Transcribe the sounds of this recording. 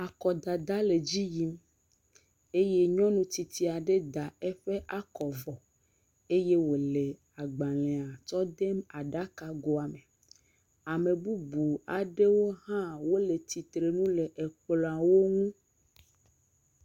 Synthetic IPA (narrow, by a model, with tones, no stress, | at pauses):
a˨kɔ˨d̪a˨d̪a˦le˨d͡ʑi˦ji˦m | e˦je˦ɲɔ̃˦nũ˦t̪i˨t̪i˦a˨ɖe˦d̪a˨ɛ˦ɸe˦ʔa˦˨kɔ˨vɔ˨ | e˦je˦wo˨le˨ | a˨ɡ͡ba˨lẽ˨a˨t͡ʃɔ˦d̪e˦ma˨ɖa˦ka˨ɡo˨a˨me˨ | a˨mẽ˨bu˦bu˨a˨ɖe˦wo˦ɦã˦wo˦le˨t̪i˨t̪ɾe˨nũ˦le˨ʔe˨k͡plɔ˨a˨wo˦ŋũ˦